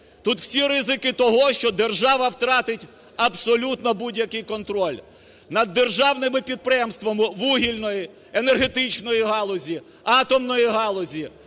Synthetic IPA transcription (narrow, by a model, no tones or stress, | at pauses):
t̪ut̪w̥sʲiɾɪzɪkɪt̪ɔɦɔʃt͡ʃɔd̪e̞rʒɑʋɐwt̪ɾɑt̪ɪtʲ | ɐbsɔlʲut̪nɔbudʲjɐkɪjkɔnt̪ɾɔlʲ | nɐd̪ːerʒɑwnɪmɪpʲid̪̚pɾɪjɛmst̪ʋɔmɪʋuɦʲilʲnɔji | enerɦe̞t̪ɪt͡ʃnɔjiɦɑlˠɔzʲi | ɑt̪ɔmnɔjiɦɑlˠɔzʲi